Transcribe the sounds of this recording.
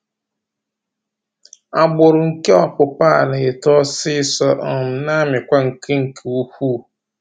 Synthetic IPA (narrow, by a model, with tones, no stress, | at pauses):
a˨ɡ͡bʊ˨ɾʊ˨ŋ̩˨ke˦ɔ˨pʊ˨pa˦a˨la˨e˨tɔ˦sɪ˦sɔ˦ɔ˨m̩˨na˦mɪ˨kʷa˦ŋ̩˨kʰe˦ŋ̩˨kʰe˨u˦hʷu˦˨